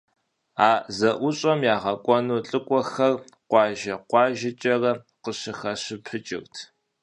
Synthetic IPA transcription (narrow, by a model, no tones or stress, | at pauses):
aːzɐʔʷʊɕʼɐmjaːʁɐkʷʼɔnuːɬʼɨkʷʼɔxɐr | qʷɑːʒɐqʷɑːʒɪt͡ʃʼɐrɐ | qəɕɨxɐɕɪpʰət͡ʃʼɪ̰rtʰ